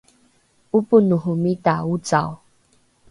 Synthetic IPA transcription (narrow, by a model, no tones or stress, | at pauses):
upunuɦʊmitaut͡saw